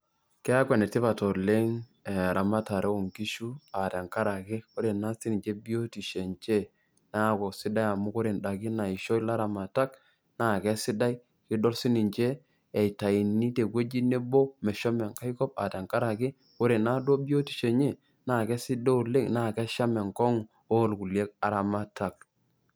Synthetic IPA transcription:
kɛ˦a˦kwɛ˨nɛ˨tɪ˦pa˨tɔ˨le˦ŋ˨ | ɾʔa˨ma˦ta˨ɾe˦o˨ŋki˦ʃu˦a˨tɛ˨ŋka˦ɾa˨kɪ˦ko˦ɾe˨na˦si˦ni˨ɲd͡ʒe˦bi˦o˦ti˨ʃe˨nt͡ʃe˦ | na˦˨ko˨sɪ˦da˦ja˨mʊ˦ko˦ɾe˨nda˨ki˦na˨i˨ʃo˦i˦la˦ɾa˨ma˨ta˦k | na˦˨kɛ˦sɪ˦da˦j | kɪ˦dɔ˦lsi˦ni˨ɲt͡ʃeː˦˨ | i˨ta˨i˨ni˦te˨kwe˦d͡ʒi˦ne˦bo˦mɛ˨ʃɔ˦mɛ˨ŋka˦i˦kɔ˦p̚a̰˨te˨ŋka˦ɾa˨kɪ˦ | ko˦ɾe˨na˦dwo˦bjo˦ti̥˨ʃe˨ɲe˦ | na˦˨kɛ˦sɪ˦do˦u˨le˦ŋna˦˨kɛ˦ʃa˦mɛ˨ŋkɔ˦ŋ˨ | o˦˨lku˨lje˦k̚a˨ɾa˨ma˦ta˨k̚

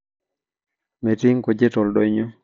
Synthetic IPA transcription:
me˨tɪ˦ŋko˨d͡ʒe˦tɔ˨ldo˦ɲo˦

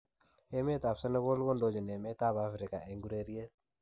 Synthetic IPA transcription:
e˦me˦ta˨psɔ˦nɛ˦ɣo˦lko˦ndo˦d͡ʒɔ˨ne˨me˦ta˦˨ba˦fɾɪ˨ka˨ʔe˨ŋɡu˦ɾe˦ɾi˦e˦

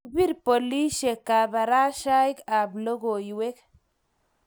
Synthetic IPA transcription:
bi˦ɾpo˨li˦ʃe˨ka˨ba˨ɾa˦ʃa˦i˦ka˨blo˦ɡo˨ji˨we˦k

